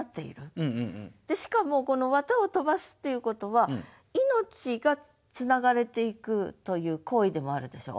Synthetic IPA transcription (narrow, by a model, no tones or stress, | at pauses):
at̪ːe̞ḭɾɯ̟ | d̪̥e̞ɕi̥kamo̞ko̞no̞βat̪ao̞t̪o̞basɨ̥t̪ːe̞jɯ̟ko̞t̪o̞βa | ino̞t͡ɕiɡa | t͡sɨnaɡaɾe̞t̪e̞ikɯ̟t̪o̞jɯ̟ːko̞ːid̪e̞mo̞aɾɯ̟d̪e̞ɕo̞̰ː